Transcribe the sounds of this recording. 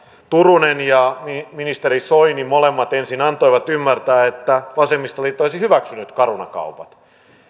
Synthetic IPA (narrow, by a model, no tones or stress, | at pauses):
t̪urunenjɑmiminist̪eɾisoinimolemːɑt̪ensinɑnt̪oiʋɑt̪ymːært̪æːet̪ːæʋɑsemːist̪ɑlit̪ːoisihyʋæksynyt̪kɑrunɑ̰kɑ̰upɑt̪